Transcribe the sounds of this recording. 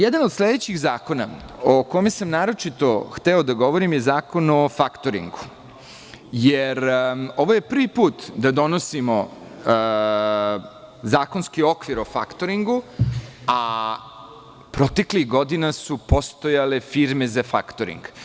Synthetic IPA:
jed̪anod̪sle̞d̪et͡ɕiɣzaːko̞na̰okomesamnaːɾo̞t͡ʂit̪o̞xt̪eo̞d̪aɡo̞ʋo̞ɾimje̞zaːko̞nofakt̪oɾḭŋɡu | jeɾo̞ʋoje̞pr̩ʋipuːt̪d̪ad̪o̞no̞simo̞ | zaːko̞nskio̞kʋiɾo̞fakt̪oɾiŋɡu | a | pɾo̞t̪e̞kliɣɡo̞d̪inasupo̞st̪o̞jale̞fiɾme̞zafa̰kt̪oɾḭŋɡ

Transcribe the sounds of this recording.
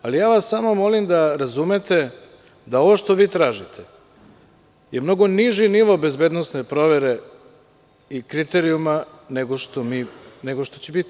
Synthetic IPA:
alijaːʋasamomo̞limd̪aɾazumet̪e̞ | d̪ao̞ʋo̞ʃt̪o̞ʋiːt̪ɾaːʒit̪ʰe | je̞mno̞ɡo̞niʒiniʋobe̞zbed̪nosnepɾo̞ʋe̞ɾe̞ | ikɾit̪e̞ɾiuma | neɡoʃt̪omineɡoʃt̪ot͡ɕebit̪i

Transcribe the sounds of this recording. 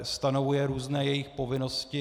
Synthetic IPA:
st̪ano̞vujɛɾuːznɛːjɛjɪxpo̞vɪno̞scɪ

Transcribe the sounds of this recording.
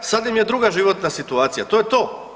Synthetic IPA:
sad̪imje̞d̪ɾuɡaʒiʋo̞t̪nasit̪uaːt̪sijat̪o̞jet̪o̞ː

